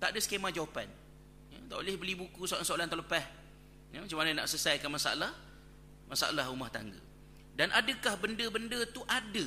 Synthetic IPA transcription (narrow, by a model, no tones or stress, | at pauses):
t̪aʔdəsə̥kemãd͡ʒawapan | jət̪aʔolɪhbəlibukusoansoalant̪aləpah | jəmat͡ʃamanəna̰ʔsəsajkanmasa̰a̰lah | masa̰ʔa̰lahumaht̪a̰ŋɡə̰ | danʔadəkahbəndəbəndət̪uʔadə